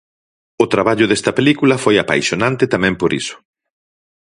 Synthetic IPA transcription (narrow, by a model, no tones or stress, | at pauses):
ʊt̪ɾaβaʎʊðɛst̪ɐpelikulɐfojapa̰jʃonãnt̪eɪt̪amɛ̃mpoɾḭsʊ̥